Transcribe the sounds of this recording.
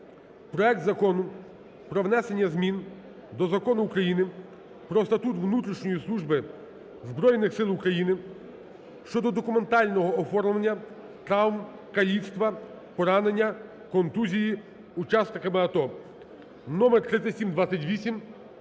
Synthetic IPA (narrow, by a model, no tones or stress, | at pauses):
pɾɔɛk̚t̪zɐkɔnʊ | pɾɔʋn̪ɛse̞nʲːɐzmʲin | d̪ɔzɐkɔnʊːkɾɐjinɪ | pɾɔst̪ɐt̪ut̪ʋnut̪ɾʲiʃnʲɔjislˠuʒbɪ | zbɾɔjnɪxsɪlˠʊkɾɐjinɪ | ʃt͡ʃɔd̪ɔd̪ɔkʊme̞nt̪ɑlʲnɔɦɔːfɔrmʊʋɐnʲːɐ | t̪ɾɑwmkɐlʲiwst̪ʋɐ | pɔɾɑne̞nʲːɐ | kɔnt̪uzʲiji | ut͡ʃɑsnɪkɐmɪɐt̪ɔ | nɔmɛrt̪ɾɪt̪sʲɐtʲsʲimd̪ʋat͡sʲsʲɐtʲʋʲisʲim